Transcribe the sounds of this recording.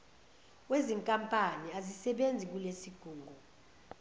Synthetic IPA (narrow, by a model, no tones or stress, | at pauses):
weziŋkʼampʼaniazisɛɓend͡zʱik̬ulesiɡ̥ʱuːŋʱu